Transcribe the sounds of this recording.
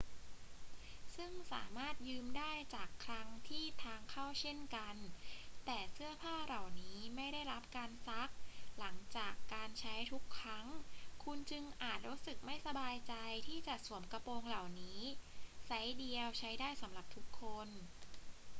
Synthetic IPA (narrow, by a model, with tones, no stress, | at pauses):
sɯ˥˩ŋsa̰ː˩˦maː˥˩t̪̚jɯː˧mdaː˥˩jt͡ɕaː˨˩kʰːɾa˦˥ŋt̪ʰiː˥˩t̪ʰaː˧ŋkʰa˥˩wt͡ɕʰe˥˩nka˧nt̪ɛː˨˩sɯ˥˩ɐpʰaː˥˩ɾa˨˩wniː˦˥ma˥˩jda˥˩jɾa˦˥p̚kaː˧nsa˦˥k̚la˩˦ŋt͡ɕaː˨˩kːaː˧nt͡ɕʰa˦˥jt̪ʰu˦˥kʰːɾa˦˥ŋkʰu˧nt͡ɕɯ˧ŋʔaː˨˩t̪̚ɾu˦˥tsɯ˨˩k̚ma˥˩jsa˧baː˧jt͡ɕa˧jt̪ʰiː˥˩t͡ɕa˨˩su˩˦əmka˧poː˧ŋla˨˩wniː˦˥sa˦˥jdi˧əwt͡ɕʰa˦˥jdaː˥˩jsa˩˦mla˨˩p̚t̪ʰu˦˥kʰːo˧n